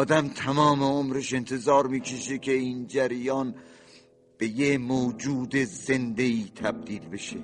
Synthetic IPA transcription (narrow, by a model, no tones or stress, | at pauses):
ɒːd̪æmt̪ʰæmɒːmeomɾeʃe̞nt̪ʰe̞zɒːɾmiːkʰeʃekʰeiːnd͡ʒæɾjɒːn | b̥e̞jemoːd͡ʒuːd̪eze̞nd̪eiːt̪ʰæb̚d̪iːlbe̞ʃe